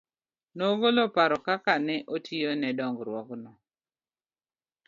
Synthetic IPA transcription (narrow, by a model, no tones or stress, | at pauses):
noɡolopaɾɔkakanɛʔotʰionɛdɔŋɡɾwɔknɔ